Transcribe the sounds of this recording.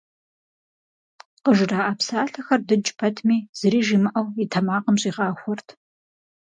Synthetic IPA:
qəʒraːʔaːpsaːɬɐxɐrdɨd͡ʒʼpʰɐtʰmiːz̥ɨɾiːʒiːmɨʔɐwitʰɐmaːqəmɕʼiːʁɑːxʷɔrtʰ

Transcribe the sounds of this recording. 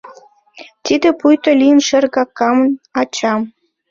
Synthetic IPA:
t̪id̪epujt̪olʲijənʃĕrɣɑkːɑmnɑt͡ɕɑm

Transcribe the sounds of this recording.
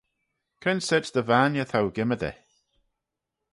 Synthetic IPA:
kʰənsɛtd̥̪əvanjəθawɡɪmədɛ̰

